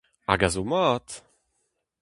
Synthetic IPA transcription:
a̰ɡazomat

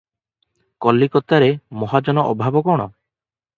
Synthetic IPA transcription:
kɔlːikɔt̪aɾemɔɦad͡ʒɔnɔʔɔbʱabɔkɔɽ̃ɔ

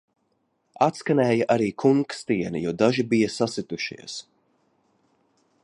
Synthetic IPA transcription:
at̪skanɛːjɐʔaɾiːkʰuŋkst̪iɛnḭjɔːd̪aʒibijasasit̪uʃḭɛs

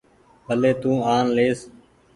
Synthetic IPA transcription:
bʱəleːt̪ũːaːnleːs

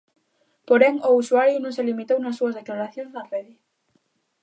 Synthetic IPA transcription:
poɾeŋousuaɾjunõŋselimit̪ownasːuazðeklaɾaθjonznareði

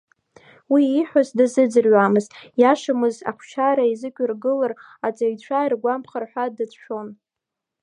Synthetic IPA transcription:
wiːħʷazdɨzɨd͡zɨrɥʷamɨztjaʂɨmɨza̰χʷʰʃaɾaizɨkʷʲʼʊrɡɨlar | at͡sʼajt͡ɕʷʰairɡʷampʰχarħʷadɨt͡sʰʃo̞n

